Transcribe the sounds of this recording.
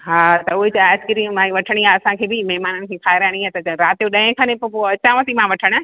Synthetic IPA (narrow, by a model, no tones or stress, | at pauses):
ɦat̪ɐuɦet͡ɕaːskəɾimãĩʋɐʈʰəɽ̃iaɐsãkʰeːbɪmɛɦmaːnənɪ̆kʰẽːkʰaːɪɾaːɽ̃ĩɦat̪ɐɾaːt̪joɗɐ̃ɦɪ̃kʰãnẽpopoɐt͡ɕãʋəsimãʋɐʈʰəɽ̃ə